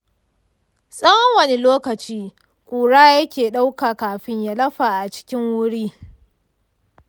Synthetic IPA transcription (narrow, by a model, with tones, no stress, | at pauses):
sʼɐ˦wɐ˦ŋwɐ˨ni˦loː˦kɐ˨t͡ʃiː˦ | kʷʼuː˨ɽaː˦jɐ˦kʲeː˨ɗa˦wkaː˨kaː˨ɸɪ˦ɲja˦lɐ˦ɸa˨ʔa˨t͡ʃɪ̥˦kʲɪ˦ŋwʊ˦ɽiː˦